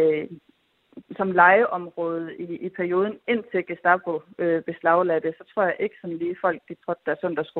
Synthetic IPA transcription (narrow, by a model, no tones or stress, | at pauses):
sɒ̽mlɑ̈ɪəʔɒ̽mʁɔ̽ːð̞̩ˠiːpʰæɐio̝ːðˠn̩e̝n̰t͡sʰe̝ɡ̥æsd̥ɑ̈bʰoøb̥e̝slɑ̈ʊlæd̥əsɒ̽t͡sʰʁo̝ɐ̰jɑ̈ʔe̝ɡ̥ə̥sɒ̽nliːfɒ̽l̰ɡ̥̚d̥it͡sʰʁɔd̥d̥æɐsɔn̰d̥ɐsɡ̥u